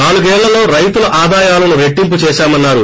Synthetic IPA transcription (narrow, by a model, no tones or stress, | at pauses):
naːɭuɡɛːɭːɐlo̞ːɾɐjt̪ulɐʔaːd̪aːjaːlɐnuʋeʈːimput͡ʃɛːʃaːmɐnːaːɾu